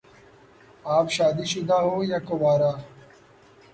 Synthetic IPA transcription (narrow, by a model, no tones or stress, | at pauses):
aːpɕaːd̪iːɕʊd̪aːɦoːjakobaːɾaː